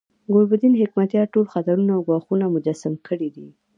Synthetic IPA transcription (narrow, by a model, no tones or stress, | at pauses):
ɡoɾbʊd̪inɦɪkmat̪jɑʈolxat̪aɾunaawɡwɑxunamʊd͡ʒasamkəɽid̪i